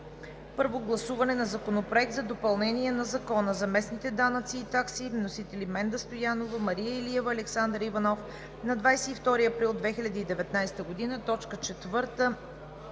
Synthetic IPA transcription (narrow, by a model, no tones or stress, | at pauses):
pɤɾvoɡlˠɐsuvɐnɛnɐzɐkonopɾoɛk̚t̪zɐd̪opɐlˠnɛniɛnɐzɐkɔnəzɐmɛsnit̪ɛd̪anət̪siːt̪aksivnosit̪ɛlimɛnd̪əst̪ojanovəmɐɾijəiliɛvəːlɛksand̪ɾəivɐnɔf | nɐd̪vajsɛift̪ɔɾiɐpɾilˠd̪vɛxilʲɐd̪iːd̪ɛvɛt̪najst̪əɡod̪inət̪ɔt͡ʃkət͡ʃɛt̪vɤɾt̪ə